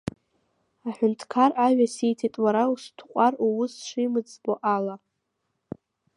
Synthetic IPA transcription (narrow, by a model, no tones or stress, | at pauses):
aħᶣʊntʰkʰaraɥᶣasejtʰitʼwaɾaustʰqʷʼaruwʊsʂimɨd͡zʼboʔala